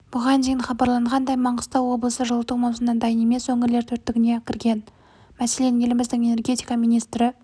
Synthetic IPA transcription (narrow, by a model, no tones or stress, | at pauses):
b̥ʊʁɑnd̪ejɪnχɑbɑɾlˠɑɴʁɑnd̪ɑjmɑɴʁəst̪ɑwo̞blˠəsəʒəlˠət̪umɑwsənɑnd̪ɑjəne̞me̞swɵŋɪɾle̞ɾt̪ʰɵɾt̪ːɪɡʲɪne̞kʲʰɪɾɡʲe̞n | mæse̞le̞nʲelɪmɪzd̪ɪŋe̞ne̞rɡʲe̞t̪ijkɑmijnijst̪ɾɪ